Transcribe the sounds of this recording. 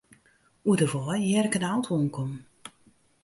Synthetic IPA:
udəvɔjjɛrkənawˠtʰoːnkʰɔm

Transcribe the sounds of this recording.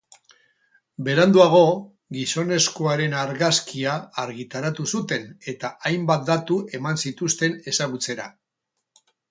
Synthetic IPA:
be̞ɾand̪uaɣ̞o̞ | ɡiso̞ne̞sko̞aɾe̞naɾɣaskiaːɾɣit̪aɾat̪usut̪e̞ne̞t̪aajmbat̪̚d̪at̪ue̞mansit̪ust̪e̞ne̞saɣ̞ut͡se̞ɾa

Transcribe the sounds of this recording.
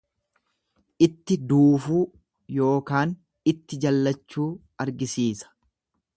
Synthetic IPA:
ʔɪt̪ːɪd̪uːfuː | jo̞ːkaːn | ɪt̪ːɪd͡ʒɐlːɐt͡ʃːuː | ɐɾɡɪsiːsɐ̥

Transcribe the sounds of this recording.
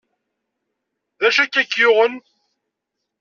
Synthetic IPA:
ðæʃækːækːjʊʁən

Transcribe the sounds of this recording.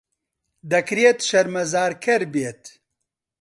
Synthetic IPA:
d̪ɐkɾet̪ʃɐɾmɐzaːɾkʰɐɾbeːt̪

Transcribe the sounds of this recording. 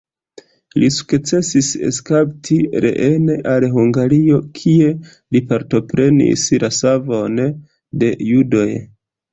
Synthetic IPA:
lisu̥kt͡se̞sise̞̰skaptʰiɾe̞̰ʔe̞neʔalɦuŋɡaɾio̞kʰie̞ | lipaɾto̞pɾe̞nḭslʔasavo̞n | de̞judo̞j

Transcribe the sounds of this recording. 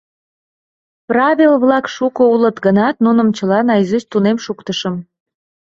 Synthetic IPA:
prɑβʲilβlɑkʃukoulət̪ɡənɑt̪̚nunə̆mt͡ɕəlɑnɑjzyst̪unemʃukt̪əʃəm

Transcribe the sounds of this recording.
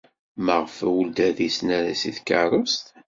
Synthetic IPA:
məʁfæwuld̪æðisnæɾæsiθkərˤəst̪

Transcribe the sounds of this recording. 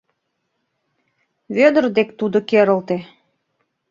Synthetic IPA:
βød̪ərd̪ekt̪ud̪okeɾə̆lt̪e

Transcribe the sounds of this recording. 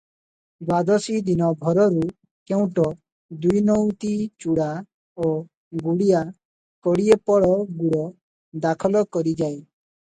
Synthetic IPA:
ɡad̪ɔsid̪inɔbʱɔɾɔɾu | keũʈɔ | d̪ujnɔwt̪it͡ʃuɽa | o | ɡuɽija | kɔɽiepɔɽɔɡuɽɔ | d̪akʰɔlɔkɔɾid͡ʒae

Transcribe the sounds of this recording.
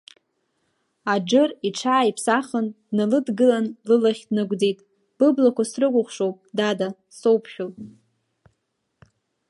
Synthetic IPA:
ad͡ʒɨriʈ͡ʂʰaːipʰsaχəndnalɨdɡɨlanlɨlaχʲdnɨɡʷd͡zijtʼ | b̥ɨblakʷasrɨkʷʼʊχʷʂowpʼdada | sowpʰʃʲᶣolʼ

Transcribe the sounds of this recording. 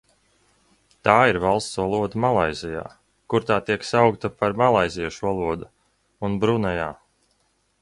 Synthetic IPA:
t̪aːiɾvalˠst̪sɔlˠuɔd̪umalˠajzija̰ː | kuɾt̪aːt̪iɛksawkt̪apaɾmalˠajzijaʃuɔlˠuɔd̪u | unbɾunajaː

